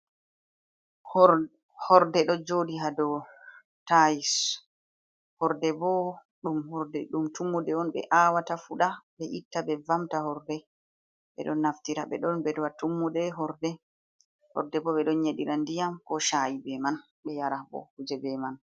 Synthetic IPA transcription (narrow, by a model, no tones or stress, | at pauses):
hɔɾdɛɗɔd͡ʒodiɦadɔ | tajis | hɔɾdɛbɔ | ɗumhɔɾdɛɗumtumːudɛɔnɓɛ̰ʔawatafuɗaɓɛʔitːabɛvamtaɦɔɾdɛ | ɓɛ̰ɗɔnːaftiɾaɓɛ̰ɗɔnbɛdɔwatumːudɛɦɔɾdɛ | hɔ̰ɾdɛbɔɓɛɗɔnɲeɗiɾandijamkɔʃajibɛman | ɓɛjaɾabɔ̰hud͡ʒɛbɛman